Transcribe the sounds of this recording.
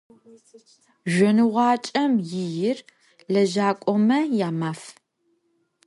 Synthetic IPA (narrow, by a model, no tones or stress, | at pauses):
ʒʷɔnɨʁʷɑːt͡ʃʼɐmjɪjɪr | lɐʒaːkʷʼɔmɐjaːmaːf